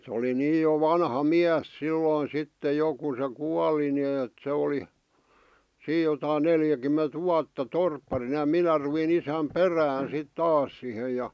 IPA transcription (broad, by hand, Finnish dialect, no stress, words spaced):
se oli niːj jo ʋɑnhɑ miæs silːoˑĭn̞ sitːe jo ku se kuɑli nĭ eːt se oli siːj̆ jotɑin neljækymːent ʋuɑtːɑ torpːɑrinɑ jɑ minæ ruʋin isæm peræːn̞ sit tɑːs sihe jɑ